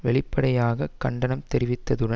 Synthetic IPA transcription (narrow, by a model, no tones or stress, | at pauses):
ʋɛɭɪpːɐɽɐjaːɣɐkɐɳɖɐnɐmt̪ɛɾɪʋɪt̪ːɐðɯɽɐ